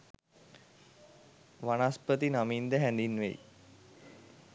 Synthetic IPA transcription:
ʋanaspət̪inamind̪əɦænd̪inːʋḛj

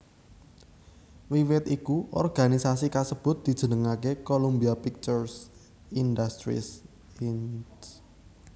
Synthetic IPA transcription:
wiwɪt̪ikuʔɔ̰rɡ̥a̤nisas̬ikasəb̥ʊ̤t̪̚d̪̥i̤d̥ʒ̥ə̤nəŋakekolumbiapik̚t͡ʃərs | ind̪ast̪ɾḭs | ins

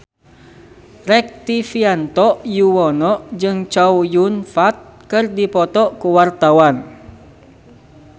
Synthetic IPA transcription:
rɛk̚t̪ifiant̪ɔʔjuwɔnɔʔd͡ʒɨŋt͡ʃawjunfat̪̚kɨrdipɔt̪ɔʔkuwart̪awan

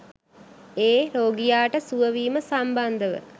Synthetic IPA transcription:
eːɾoːɡijaːʈəsuʋəʋiːməsamband̪əʋə̰

